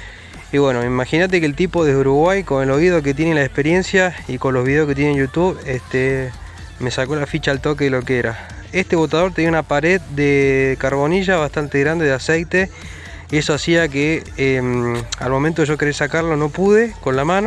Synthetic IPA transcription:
iβwe̞no̞imaxinat̪̬e̞kelt̪ipoðeeuɾuɣwajko̞nelo̞iðok̬et̪̬je̞nelaespe̞ɾje̞nsjaiko̞nloβiðe̞oske̞t̪̬jenenjut̪uβest̪e | me̞sako̞lafit͡ʃaːlt̪o̞keðelo̞keeɾa | e̞st̪eβo̞t̪að̞o̞ɾt̪e̞niaunapaɾe̞ðd̪ekaɾβo̞niʒaβaht̪ant̪eɣɾand̪eðeasejt̪e̞ | ie̞soasiakeema̰lmo̞ment̪oeʒo̞ke̞ɾesakaɾlo̞no̞puðe̞ko̞nlamãno

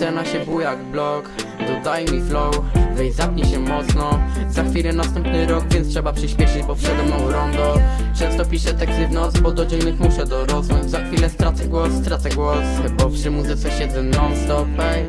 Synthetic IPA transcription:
ɛnaɕɛbujaɡblɔkd̪ɔd̪ajmiflɔwvɛjzapɲɛɕɛmɔt̪snɔzaxfʲilɛnast̪ɛmpnɘɾɔɡvʲjɛnt̪stʂɛbapʂɘɕpʲjɛʂɘd͡ʑbɔfʂɛd̪ɛmnɔ̃w̃ɾɔnd̪ɔ | t͡ʂɛ̃w̃st̪ɔpʲiʂɛt̪ɛkst̪ɘvnɔzbɔd̪ɔd͡ʑiŋnɘxmuʂɛd̪ɔɾɔznuɲzaxfʲilɛst̪ɾat̪sɛɡwɔsːt̪ɾat̪sɛɡwɔs | bɔpʂɘmuzɨɪt̪sɛɕɛd̪ɛnɔmst̪ɔpɛj

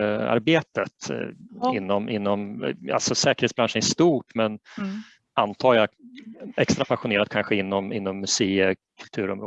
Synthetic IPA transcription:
a̰ɾbeːt̪ət̪ | ɪnːɔmʔɪnːɔma̰lsɔsɛːkəɾeːt̪sbɾanʂənæʂt̪uːʈmɛn | ant̪ʰɑːja | ɛkst̪ɾapʰaɧʊneːɾat̪̚kʰanɧəɪnːɔmɪnːɔmːɵseːəkʰɵlt̪ʰʉ̟ːɾɔmɾoː

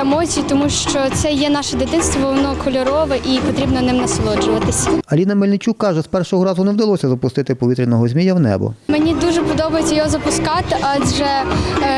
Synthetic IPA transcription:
emɔt͡sʲijit̪ɔmuʃt͡ʃɔt̪sɛjɛnɑʃɛd̪ɪt̪ɪnst̪ʋɔʋɔnɔkʰɔlʲɔɾɔʋɛʔipɔt̪ɾʲibnɔnɪmnɐsɔlˠɔd͡ʒʊʋɐt̪ɪsʲɐɐlʲinɐmɪlʲnɪt͡ʃʲukːɑʒɛspɛrʃɔɦɔɾɑzʊnewd̪ɐlˠɔsʲɐzɐpʊst̪ɪt̪ɪpɔʋʲit̪ɾʲinɔɦɔzʲmʲijɐwnɛ̰bɔ̰menʲid̪uʒɛpɔd̪ɔbɐjʊt͡sʲːɐjɔɦɔzɐpʊskɑt̪ɪʔɑʒɛ

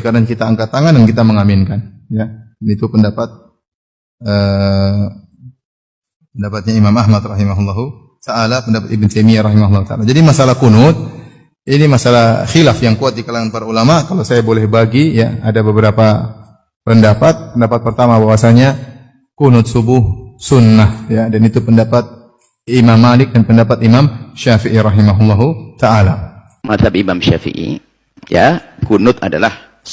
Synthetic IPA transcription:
kadaŋkit̪aːŋkat̪aŋandankit̪aməŋamɪnkanjanit̪upəndapat̪̚ | ə | pəndapat̪̚ɲaimamaɦmat̪rɑɦimaɦulːɑɦu | saːlapəndapat̪ibɪnt̪ejmiaɾɑɦimaɦulːɑhut̪alad͡ʒadimasalahkunʊt̪̚ | inimasalahxilafjaŋkuat̪̚dikalaŋanpaɾaulamakalawsajabolɛhbaɡijaadabəbəɾapa | pəndapat̪̚pəndapat̪̚pərt̪amabawasaɲa | kunʊt̪̚subʊhsunːahjadanit̪upəndapat̪̚ | imamːalɪk̚danpəndapat̪imamʃafiʔiɾɑɦimaɦulːaɦut̪aala | mat̪abimamʃa̰fḭʔḭ | ja̰kunʊt̪a̰da̰lah

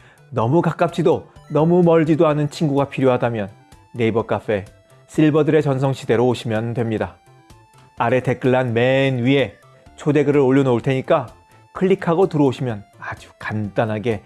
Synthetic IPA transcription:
nʌmukak͈ap̚t͡ɕʰidonʌmumʌɭd͡ʑidoanɯnt͡ɕʰinɡuɡapʰiɾjoɦadamjʌnː | e̞ibʌk͈af͈ʰe̞ | s͈ʰiɭbʌdɯɾe̞t͡ɕʌnsʰʌŋɕʰide̞ɾoːɕʰimjʌndwe̞mɲida | aɾe̞te̞k͈ɯɭːanme̞nɥie̞ | t͡ɕʰode̞ɡɯɾɯɾoʎːonouɭtʰe̞ɲik͈a | kʰɯɭːikʰaɡotɯɾʌoɕʰimjʌnad͡ʑu̥kant͈anɦaɡe

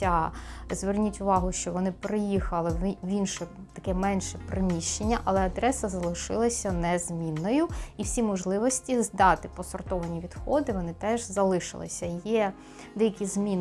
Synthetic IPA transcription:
azʋernʲitʲʊʋɑɦʊʃt͡ʃɔʋɔnɪpɾɪjixɐlˠɪwʲinʃɛ | t̪ɐkɛmɛnʃɛpɾɪmʲiʃt͡ʃenʲːɐʔɐlˠɛɐd̪ɾɛsɐzɐlˠɪʃɪ̰lˠɐsʲɐnɛzmʲinːɔjʊiwsʲimɔʒlˠɪʋɔsʲtʲizd̪ɑt̪ɪpɔsɔrt̪ɔʋɐnʲiʋʲid̪xɔd̪ɪʋɔnɪt̪ɛʒzɐlˠɪʃɪ̰lˠɪ̰sʲɐjɛ | d̪ɛjɐkʲizmʲin

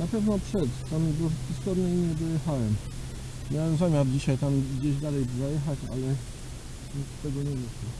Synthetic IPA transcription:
napɛvnɔpʂɛt̪amibɔxʲist̪ɔd̪nʲɛimʲjɛd̪ɔjɛxawɛm | mʲjawɛmzamʲjaɾd͡ʑiɕajt̪amɡd͡ʑeʑd̪alɛjpzajɛxat͡ɕa̰lɛ | ɲik̪t̪ːɛɡɔɲɛjɛʃlɔ

